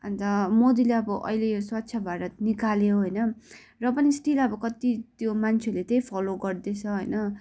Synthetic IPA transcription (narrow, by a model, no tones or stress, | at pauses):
ʌnt̪ʌmod̪ileʌbʌʔʌ̰jlejoswat̪ːsʰjabʱaɾʌt̪nikaleoɦʌjnʌ | rʌpʌnisʈilʌbʌkʌt̪it̪jomant͡sʰeolet̪ʌjpʰʌloɡʌrd̪et͡sʰʌɦʌjnʌ